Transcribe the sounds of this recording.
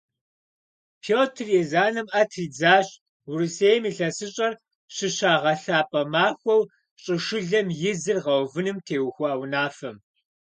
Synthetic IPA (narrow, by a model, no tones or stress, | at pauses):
pʰoːtʰrjezaːnɐmʔɐtʰriːd͡zaːɕ | wruseːjɐmiːɬɐsɨɕʼɐr | ɕɨɕaːʁɐɬaːpʼɐmaːxʷɔw | ɕʼɨʂɨɮɐmjɪzɨrʁɐwvɨnɨmtʰeːwxʷɔɐwnaːfɐm